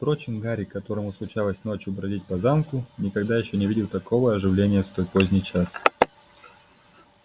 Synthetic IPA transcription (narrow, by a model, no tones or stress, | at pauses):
pɾo̞t͡ɕɪmɡaɾʲɪkːɐt̪o̞ɾəmʊslˠʊt͡ɕalˠəsʲno̞t͡ɕjʊbɾɐzʲit̚ʲpɐzamkʊnʲɪkɐɡd̪ajɪɕːonʲɪvʲidʲɪlˠt̪ɐko̞vəɐʐɨvlʲenʲɪjəfst̪o̞jpo̞zʲnʲɪjt͡ɕas